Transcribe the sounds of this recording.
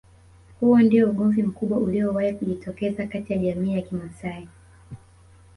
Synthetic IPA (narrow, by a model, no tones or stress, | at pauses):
huɔndiɔuɠɔvim̩kuɓwauliɔwahikuʄitʰɔkɛzakatijaʄamiːjakimasai